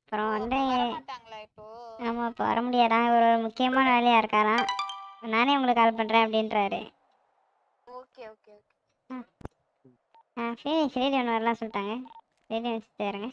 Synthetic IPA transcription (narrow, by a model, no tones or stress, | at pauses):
ɐpːɯɾɔ̃ʋɐnd̪ɯ | aːmaːɪpːo̰ːʋɐ̰ɾɐmʊɽɪjaːðãːɪɔɾɾɯmʊkːɪjɐmaːnɐʋɛɭɪjaːɪɾɯkːaːlãːɪoːnaːneːʊŋɡɐɭɯkːaːlp̬ɐɳːɾẽːɐp̬ːɐɽɪnɾaːɾɯ̰ | kː | aː | aːfiːlɪsɾeːliʋɐnːɐʋɐːɾlãːsɔlːɪʈ̪ːaːŋɡɐ | ɾeːlĩʋɛt͡ʃːɪt̪ːɯɐɾɯŋɡɐ